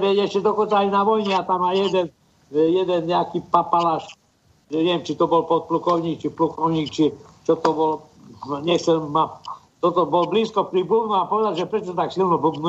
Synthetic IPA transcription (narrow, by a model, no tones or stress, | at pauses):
bɛjɛʃcɛd̪ɔkɔnt͡saːajnaʋɔjɲɛat̪amajɛd̪ɛn | ɛjɛd̪ɛnɲɛakipapalaːʃ | ʒɛɲɛʋɛmt͡ʃit̪ɔbɔlpɔt̪̚plukɔʊɲiːk̚t͡ʃiplukɔʊɲiːkt͡ʃi | t͡ʃɔt̪ɔbɔl | ɲɛxt͡sɛlma | t̪ɔt̪ɔbɔlbliːskɔpɾibubnuapɔʋɛd̪aʒɛpɾɛt͡ʃɔt̪aksilnɔbubnu